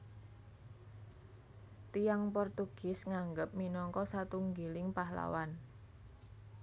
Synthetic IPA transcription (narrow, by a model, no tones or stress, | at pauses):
t̪ijaŋpɔrt̪uɡ̥ɪ̤sŋaŋɡəp̚minɔŋkɔsat̪uŋɡelɪŋpahla̰wan